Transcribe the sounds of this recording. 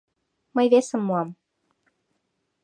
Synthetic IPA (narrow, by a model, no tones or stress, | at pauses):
məjβesə̆mːuɑm